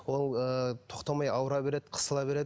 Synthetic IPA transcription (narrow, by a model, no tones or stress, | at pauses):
wolˠət̪ʰo̞qt̪ɑmɑjɑwəɾɑbe̞ɾe̞d̪ɪqʰə̥səlˠɑbe̞ɾe̞d̪ɪ